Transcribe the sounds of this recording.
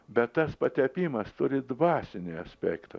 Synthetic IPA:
bʲɛt̪ːɐspɐt̪ʲɛpʲiːmɐst̪ʊɾʲɪd̪ʋɑːsʲɪnʲɪɐsʲpʲæ̰ːkt̪ɐ̰

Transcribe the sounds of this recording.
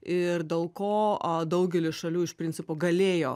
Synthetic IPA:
ɪrd̪ʲeːlˠkoːɐd̪ɐʊɡʲɛlʲɪʃɐlʲuːɪʃpʲɾʲɪnʲt͡s̪ʲɪpoːɡɐlʲeːjoː

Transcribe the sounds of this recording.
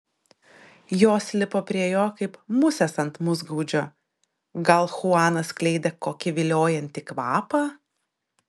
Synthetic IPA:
joːsʲlʲɪpoːpʲɾʲiɛjoːkɐɪpmʊsʲɛsɐnt̪mʊzɡuːd͡ʒʲoː | ɡɐlˠxʊɑːnɐsklʲɛɪd̪ʲɛkoːkʲɪʋʲɪlʲoːjɛnʲt̪ʲɪkʋɑːpɑː

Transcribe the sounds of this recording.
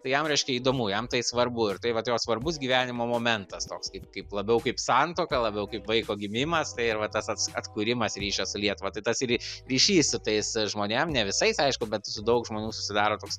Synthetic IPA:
t̪ɐɪjɛmɾʲɛɪʃʲkʲɛiːd̪oːmuːjɛmt̪ɐɪsʋɐrbʊɪɾt̪ɐɪʋɐt̪joːsʋɐrbʊsɡʲiːʋʲæːnʲɪmoːmoːmʲɛnt̪ɐst̪oːkskɐɪp̚kɐɪplˠɐbʲɛʊkɐɪpsɑnt̪oːkɐlˠɐbʲɛʊkɐɪpʋɐɪkoːɡʲɪmʲɪmɐst̪ɐɪɪɾʋɐt̪ɐsɐt̪sɐt̪kuːɾʲɪmɐsɾʲiːʃʲɛsʊlʲiɛt̪ʊʋɐt̪ɐɪt̪ɐsɪɾɾʲiːʃʲiːssʊt̪ɐɪsʒmoːnʲemnʲɛʋʲɪsɐɪsɐɪʃkʊbʲɛt̪sʊd̪ɐʊkʒmoːnʲuːsʊsʲɪd̪ɑːɾoːt̪oːks

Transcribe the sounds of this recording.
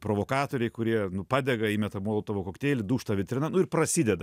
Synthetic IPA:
pɾoːʋoːkɑːt̪oːɾʲɛɪkʊɾʲiɛnʊpɑːd̪ʲɛɡɐiːmʲɛt̪ɐmuɔlˠot̪oʋokoːkt̪ʲeːlʲɪd̪uːʃt̪ɐʋʲɪt̪ʲɾʲɪnɐnʊɪɾprɐsʲid̪ʲɛd̪ɐ

